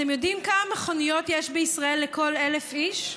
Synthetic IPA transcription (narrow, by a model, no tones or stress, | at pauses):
temjo̞dimkamameχo̞nijo̞t̪jeʃbeisʁae̞lːeko̞le̞lefiʃ